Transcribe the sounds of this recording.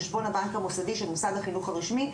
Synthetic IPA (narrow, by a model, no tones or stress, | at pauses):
ʃbo̞nabaŋkhamufsadiʃelmusadhaχinuχaʁiʃmi